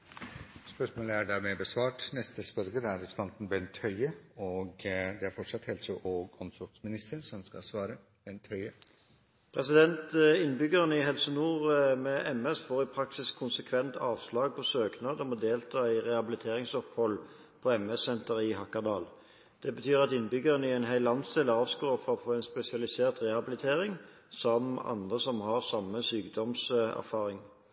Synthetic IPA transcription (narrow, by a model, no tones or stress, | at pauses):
spœʂmoːləæɖæːɾmɛbəsʋɑːʈnɛst̪əspœɾɡəɾæɾɛpɾst̪ɑnt̪ənbɛnt̪ʰhœʏəɔɡd̪ɛæɾfɔʈʂɑt̪hɛlsəʔoːɡɔmsɔɾt̪smɪnɪst̪ənsɔmskɑsʋɑːɾə | b̥ɛnt̪ʰhœʏə | pʰʁɛsɪd̪ɛnt̪əɪnbʏɡəʁənəɪɦɛlsənuːʁmɛʔɛmɛsfoːʁɪpʰʁɑksɪskʰːʊnsəkʰʋɛnt̪ʰɑːʋslɑːɡ̚pʰɔsøːknɑːd̪ɔmɔd̪eːlt̪ʰɑːɪʁɛhɑbɪlɪt̪ʰeːʁɪŋsɔphɔl | pʰɔɛmɛsɛnt̪əɾɪɦɑkɑʁd̪ɑːl | d̪̥ɛbət̪ʰyːʁɑt̪ɪnːbʏɡəʁənɪæɪnɦæɪlɑnsd̪eːləɑːʋskoːfɔʁɔfʰoːæɪnspɛsɪɑlɪseːʁt̪ʁɛhɑbɪlɪt̪ʰeːʁɪŋ | sɔmɑ̰nd̪ʁəsɔmhɑʁsɑmːəsyːɡd̪ɔmsæ̰ʁfɑːʁɪŋ